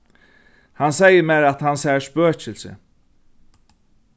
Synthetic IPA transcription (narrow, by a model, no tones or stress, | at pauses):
hansɛjəmæɾat̪hansæʃpøːt͡ʃʰɪlsɪ̰